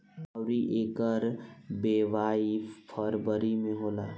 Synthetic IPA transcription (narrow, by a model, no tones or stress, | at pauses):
aʊɾiʔekəɾbeʋaːipʰəɾbəɾimẽɦoːlaː